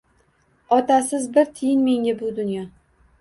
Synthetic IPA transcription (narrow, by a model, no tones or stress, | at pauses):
ɒt̪ʰasɪzbɪɾt̪ʰɪjɪnme̞ŋʲabʊd̪ʊnjɒ